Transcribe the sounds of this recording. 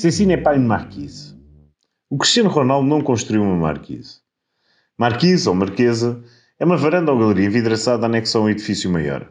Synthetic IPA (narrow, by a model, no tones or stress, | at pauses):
sẽsinɛpajnmaɾkiz | ukɾiʃt̪jɐnuʁɔnalˠd̪unɐ̃w̃kõʃt̪ɾuwiwumɐma̰ɾkʰḭz | maɾkizomɐɾkezɐ | ɛumɐvɐɾɐ̃nd̪ãɣɐlˠɨɾiɐẽviðɾɐsaðanɛksɐ̃w̃iðifisjumɐjɔ̰ɾ